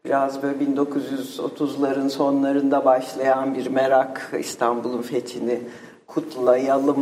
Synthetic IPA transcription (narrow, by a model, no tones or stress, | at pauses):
biɾazbølʲbind̪o̞kʰuzjyzo̞̰t̪ʰuzlˠaɾɯnso̞nlˠaɾɯnd̪abaʃlˠajanbiɾmeɾakḭst̪ʰanbulˠunfet̪ʰini | kʰut̪lˠajalˠɯm